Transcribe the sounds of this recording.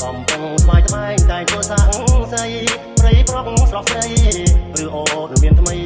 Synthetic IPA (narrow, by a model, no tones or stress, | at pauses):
kɑmpuŋt̪ʰɓaːjt̪ʰɓaɛŋɗ̪aɛlkuəsaːʔŋsəj | prəjklɔp̚srɑp̚sɗəjrɨəhʔoːnɨŋmiənt̪ʰməj